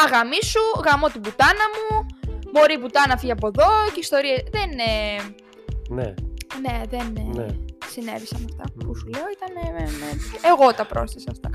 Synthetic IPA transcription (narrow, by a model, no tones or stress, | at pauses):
ɐɣɐmisuɣɐmo̞t̪ibut̪ɐnɐmumo̞ɾibut̪ɐnɐfiʝɐpo̞ðo̞ceist̪o̞ɾiɐðene | nḛne̞ðen | sine̞̰visɐmɐft̪ɐ̰pusuleoit̪ɐneemet͡siʔe̞ɣo̞t̪ɐpɾo̞̰sθisɐːft̪ɐ̰